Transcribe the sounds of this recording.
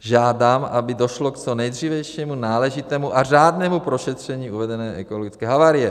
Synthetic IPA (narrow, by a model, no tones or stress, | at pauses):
ʒaːdaːmʔabɪdo̞ʃlokt͡sonɛjd̪riːvɛjʃimunaːlɛʒɪt̪ɛːmuʔaraːdnɛːmupɾo̞ʃɛt̪r̝̥ɛɲiːuvɛdɛnɛːʔɛkoloɡɪt͡skɛːɦavaːɾɪjɛ